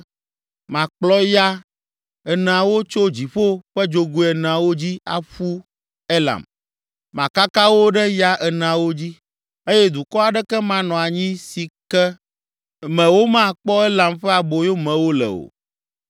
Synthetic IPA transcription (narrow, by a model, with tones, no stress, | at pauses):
mã˨k͡plɔ˦ja˦ | ɛ˨nã˨wo˦t͡ʃo˦d͡ʑi˨ɸo˦ɸɛ˦d͡ʒo˦ɡu˦ɛ˨nã˨wo˦d͡ʑi˦a̰˨ɸu˦ | ɛ˦la̰˨m | mã˨ka˦ka˦wo˦ɖɛ˦ja˦ʔɛ˨nã˨wo˦d͡ʑi˦ | e˦jɛ˦d̪u˨kɔ˦a˨ɖɛ˦kɛ˦mã˦nɔ̃˨a˨ɲĩ˦si˨kɛ˦ | mɛ̃˨wo˦mã˦˨k͡pɔ˦ɛ˦lã˨mɸɛ˦a˨bo˨jo˦mɛ̃˨wo˦lɛ̰˨o̰˨